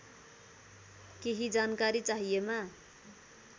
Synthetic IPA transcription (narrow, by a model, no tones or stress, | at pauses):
keɦid͡zankaɾit͡saɦijema